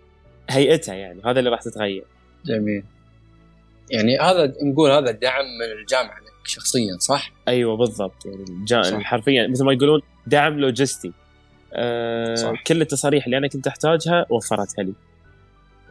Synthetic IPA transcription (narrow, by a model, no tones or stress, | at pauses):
hajʔat̪hajaʕniɦaːðalːiɾˤɑːħt̪ɪt̪ɣajːɑ̰ɾˤ | d͡ʒamiːl | jaʕnihaːðanɡuːlhaːðad̪aʕmːɪnɪld͡ʒaːmʕalakʃɑxsˤɨjːasˤɑħʔajwabɨðˤːɑb̚t̪ˤjaʕnid͡ʒaːʔlħɑɾˤfɪjːamɪθlmajɡuːluːn | d̪aʕmloːd͡ʒɪst̪i | ʔ | kɪlːət̪ːɑsˤɑːɾiːħlːiʔanakʊnt̪ʔɪħt̪aːd͡ʒhawʔafːɑɾˤɑt̪hali